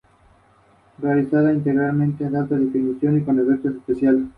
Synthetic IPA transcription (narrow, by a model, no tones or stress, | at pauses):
realisaðaint̪e̞ɣɾalmẽnt̪eðat̪aðefinisjo̞nikoneβeɾt̪osespesjal